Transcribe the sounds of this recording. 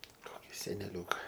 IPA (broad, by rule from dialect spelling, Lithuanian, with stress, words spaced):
ˈkoːkʲɪ sʲɛnʲɛˈlʲuːkɐ